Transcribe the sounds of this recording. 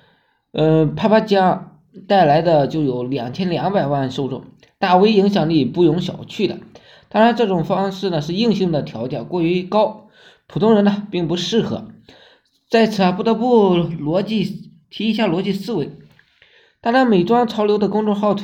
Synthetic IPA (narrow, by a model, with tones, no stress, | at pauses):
ə˥˧˩pʰa˥pa˥t͡ɕja˥ | t̪a˥˩ɪla˧˥ɪd̪ə˧t͡ɕjo˥˩ʊjo˧˥ʊljɑ˨˩ŋt͡ɕʰjɛ˥nljɑ˧˥ŋpa˨˩ɪwa˥˩nʂo˥˧ʊʈ͡ʂʊ̰˥˩ŋ | t̪a˥˩we˥ɪi˧˥ŋɕjɑ˨˩ŋli˥˩pu˥˩jʊ˧˥ŋɕjɑ̰˨˩ʊt͡ɕʰy˥˩d̪ə̰˩ | t̪ɑ˥ŋɻa˧˥nʈ͡ʂɤ˥˩ʈ͡ʂʊ˨˩ŋfɑ˥ŋʂɻ̩˥˩nə˩ʂɻ̩˥˧i˥˧ŋɕi˥˩ŋd̪ə˩t̪ʰjɑ˧˥ʊt͡ɕjɛ˥˩kwɔ˥˩y˧˥kɑ˥ʊ | pʰu˨˩t̪ʰʊ˥ŋɻə˧˥nɐ˧pi˥˩ŋpu˧˥ʂɻ̩˥˩xɤ̰˧˥ | t͡sa˥˩ɪt͡sʰɹ̩˧˩a˧pu˥˩t̪ɤ˧˥pu˥˩lwɔ˧˥t͡ɕi˥˩ | t̪ʰi˧˥i˧˥ɕja˥˩lwɔ˧˥t͡ɕi˥˧sɹ̩˥we˧˥ɪ | t̪a˥˩t͡ɕa˥me˨˩ɪʈ͡ʂwɑ˥ŋʈ͡ʂʰɑ˧˥ʊljo˧˥d̪ə˧kʊ˥ŋʈ͡ʂʊ˥˧ŋxɑ˥˩ʊt̪ʰ